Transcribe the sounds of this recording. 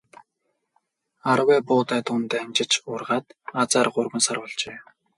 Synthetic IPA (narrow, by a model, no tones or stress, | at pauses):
aɾwæːpʊːt̪æːt̪ʊːnt̪æːnʲt͡ɕɪ̆t͡ɕʊrʁaːt̪at͡saːrɢʊrɣə̆nsarwʊ̆ɮt͡ɕeː